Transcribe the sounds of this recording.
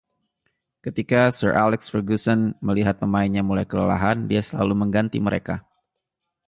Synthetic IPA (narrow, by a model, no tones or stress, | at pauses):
kət̪ikasərʔa̰lɛksfərɡusɔnməliɦat̪̚pəmaɪnɲamulajkələla̰ɦandiasəlaluməŋɡant̪ḭməɾḛka